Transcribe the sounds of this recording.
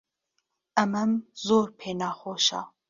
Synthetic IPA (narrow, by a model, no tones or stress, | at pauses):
ɐmɐmzoːɾpʰeːnɑːχoːʃɑ̰